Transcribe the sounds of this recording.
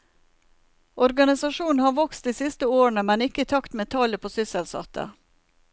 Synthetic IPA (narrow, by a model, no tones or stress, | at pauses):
ʔɔɾɡɑnɪsɑʃuːn̩hɑːʋɔkst̪d̪iːsɪst̪əoːɳəmɛnɪkəiːt̪ʰɑkt̪mɛt̪ʰɑləpʰoːsʏsəlsɑ̰t̪ʰə̰